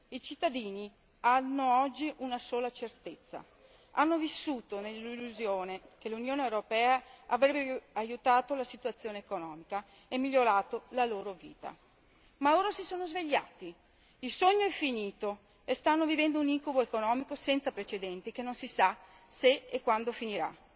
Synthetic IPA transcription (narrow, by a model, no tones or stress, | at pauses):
it͡ʃit̪ːad̪iːni | anːoɔd͡ʒːiʔunasoːlat͡ʃert̪et̪sːa̰ | anːovisːuːt̪onelːilːuzjoːnekelunjoːneewɾopɛːaavɾɛbeajut̪aːt̪olasit̪uat̪sːjoːneekonɔːmika | emːiʎːoɾaːt̪olaloːɾovḭːt̪a̰ | maloːɾasisoːnozveʎːa̰ːt̪i | ilsoɲːoɛfːiniːt̪o | est̪anːovivɛnd̪ouniŋkuboekonɔːmikosɛnt̪sapɾet͡ʃed̪ɛnt̪ikenːonsisa | seekːwand̪ofiniɾa̰